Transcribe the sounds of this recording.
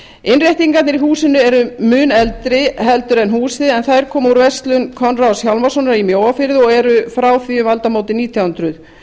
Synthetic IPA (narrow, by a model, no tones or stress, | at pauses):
ɪnrjajht̪iŋkat̪nɪɾiɦuːsɪnʏɛɾʏmʏːnɛlt̪ɾɪɦɛlt̪ʏɾɛnɦuːsɪðɛnθajɾ̥kʰɔːmuɾvɛst̪lʏnkʰɔnrawsjawlmasɔnaɾimjoːwafɪɾðɪɔɣɛɾʏfɾaːwθiʏmalt̪amoːwt̪ɪniːt̪ʰjawhʏnt̪ɾʏð